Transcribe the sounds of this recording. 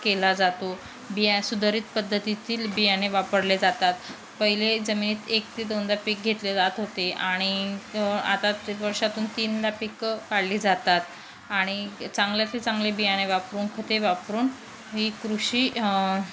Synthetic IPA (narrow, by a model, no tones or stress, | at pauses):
kelad͡zat̪o | bijasud̪ʱəɾiːt̪pəd̪ʱːət̪it̪iːlbijaneʋapəɽled͡zat̪at̪ | pəɦiled͡zəminiːt̪ek̚t̪ed̪ond̪apik̚ɡʱet̪led͡zat̪ɦot̪eaɽ̃i | a̰t̪aʋəɾʂat̪uːnt̪iːnd̪apikkaɽliːd͡zat̪at̪̚ | aɽ̃it͡saŋɡljat̪et͡sãŋɡlebijaneʋapɾuːnkʰət̪eʋapɾuːn | ɦiːkɾuɕiː